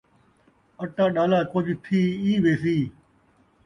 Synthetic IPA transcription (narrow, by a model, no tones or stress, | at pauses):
əʈãːɗaːlaːkoːd͡ʒit̪ʰiːiːʋeːsiː